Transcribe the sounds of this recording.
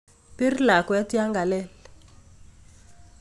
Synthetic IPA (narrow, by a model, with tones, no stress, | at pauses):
pi˦rla˨kwɛ˦ti˦a˦ŋɡa˨lɛ˦˨l